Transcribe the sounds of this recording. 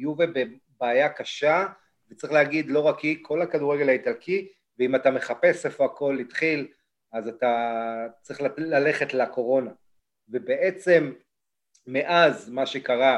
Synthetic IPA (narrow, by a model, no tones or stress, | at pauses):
juvebe | baːjakaʃa | vet͡sʁiχleaɡid̪lo̞ʁakikʰo̞lakaduʁeɡe̞laitalkʰi | veimatame̞χape̞sefo̞ako̞lːitχil | azatat͡sʁiχllale̞χe̞tlako̞ʁo̞na | ve̞beʔet͡se̞mː | eʔazmaʃe̞kaʁa